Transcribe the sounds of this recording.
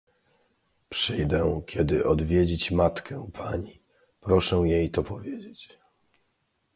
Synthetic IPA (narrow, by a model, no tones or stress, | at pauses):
pʂɘjd̪ɛkʲɛd̪ɘʔɔd̪vʲjed͡ʑit͡ɕmat̪kʰɛpʰaɲi | pɾɔʂɛw̃jejt̪ɔpɔvʲjed͡ʑet͡ɕ